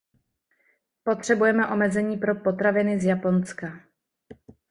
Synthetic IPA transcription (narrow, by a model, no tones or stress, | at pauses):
po̞t̪r̝̥ɛbujɛmɛʔo̞mɛzɛɲiːpɾo̞po̞t̪ɾavɪnɪzjapo̞nska